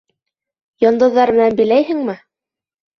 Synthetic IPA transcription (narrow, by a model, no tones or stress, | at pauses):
jɤ̆nd̪ɤ̆ðːɑɾmɘ̆nænbĭlæjɦɘŋmɘ